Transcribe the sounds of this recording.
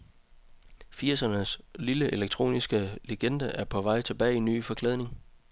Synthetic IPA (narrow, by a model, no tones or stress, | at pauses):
fiɐsɐnəsliləʔe̝leɡ̥̚t͡sʰʁo̝̰ːnisɡ̥əleɡ̥end̥æʔæɐpʰɒ̽ʋɑ̈ɪ̰t͡sʰe̝b̥ɛ̰ɪinːy̰ːfɒ̽kʰlɛð̞ˠne̝ŋ